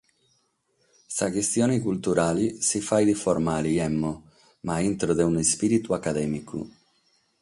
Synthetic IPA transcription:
sakest̪joːnikult̪uɾaːlisifajd̪ifoɾmaliɛmːo | maint̪ɾod̪eunespiɾit̪uakːad̪ɛːmikʰṵ

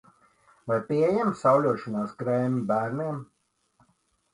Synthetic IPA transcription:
vajpʲiejɛmsawlʲuɔʃɔnaːskɾɛjmʲbæːɾniɛm

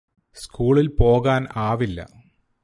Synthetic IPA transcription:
skuːɭilpo̞ːɣaːnaːʋilːɐ̰

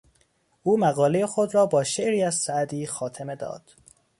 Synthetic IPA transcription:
ʔuːmæɣɒːlejexod̪ɾɒːbɒːʃeʔɾiːæzsæʔd̪iːxɒːt̪ʰeme̞d̪ɒ̰ːd̪̥

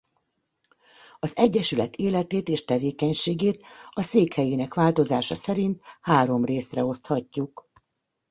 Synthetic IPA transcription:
ɒzɛɟːɛʃylɛt̪ʰeːlɛt̪eːt̪eːʃt̪ɛveːkɛɲʃeːɡeːt̪ɒseːkhɛjeːnɛkʋaːlt̪o̞zaːʃɒ̰sɛɾint̪haːɾo̞mreːsrɛo̞st̪hɒcːuk

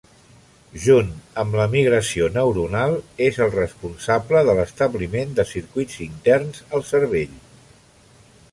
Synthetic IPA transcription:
ʒunəmləmiɣ̞ɾəsionəwɾunalˠezəlˠrəspunsabləðələst̪əβlimend̪əsiɾkwidzint̪ɛrnzəlˠsəɾβeʎ

